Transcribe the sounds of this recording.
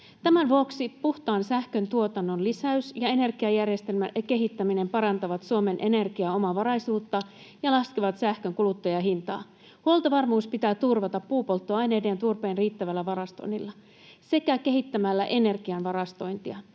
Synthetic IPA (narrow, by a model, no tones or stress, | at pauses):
t̪æmænʋuoksipuht̪ɑːnsæhkø̞nt̪uo̞t̪ɑnːo̞nlisæysjɑe̞ne̞rɡ̥iɑjærje̞st̪e̞lmæke̞ɦit̪ːæmine̞mpɑɾɑnt̪ɑʋɑt̪suome̞nʔe̞ne̞rɡiɑo̞mɑʋɑɾɑjsuːt̪ːɑ | jɑlɑskiʋɑt̪sæhkø̞ŋkulut̪ːɑjɑɦint̪ɑː | huolt̪ɑʋɑrmuːspit̪æːt̪urʋɑt̪ɑpːuːpo̞lt̪ːoɑjne̞ːde̞ːnt̪urpe̞ːnriːt̪ːæʋælːæʋɑɾɑst̪o̰jnːilːɑ | se̞kæke̞ɦit̪ːæmælːæʔe̞ne̞rɡiɑnʋɑɾɑst̪o̞jnt̪iɑ